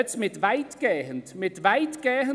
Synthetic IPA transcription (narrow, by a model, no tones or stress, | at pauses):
tʰmɪdvajdɡ̥ɛːhntʰmɪdvajdɡ̥ɛːɦ